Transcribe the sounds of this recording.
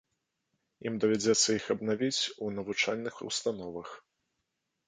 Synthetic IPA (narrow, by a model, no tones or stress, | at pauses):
imd̪ɐvʲad͡zʲɛt̪sːɐixɐbnavʲit͡sʲunɐvut͡ʂalʲnɨxṵst̪anɔvɐx